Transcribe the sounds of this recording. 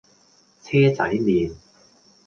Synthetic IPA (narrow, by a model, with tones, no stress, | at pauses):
t͡sʰɛː˥t͡sɐ̰˨˥jmiː˨n